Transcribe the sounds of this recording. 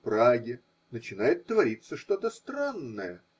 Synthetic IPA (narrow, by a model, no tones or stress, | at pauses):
pɾaɡʲɪ | nət͡ɕɪnajɪt̪ːvɐɾʲit̪səʂt̪o̞t̪əst̪ɾanːəjə